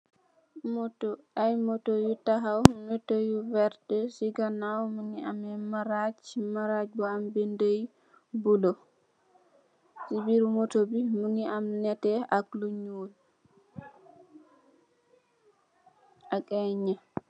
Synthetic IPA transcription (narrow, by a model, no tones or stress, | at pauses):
mtajmɔtojutaɦawmɛtojuvɛɾdɛsiɡanawmuŋiamɛmaɾad͡ʒmaɾad͡ʒbɔambindəj | bulɔ | sibiɾumɔtobimuŋiamnɛtɛakluɲul | ʔakʼɛɲa